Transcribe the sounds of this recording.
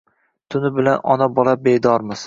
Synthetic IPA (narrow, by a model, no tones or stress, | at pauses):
t̪ʰʊnɪbɪlanʔɒnabɒlabed̪ɒɾmɪz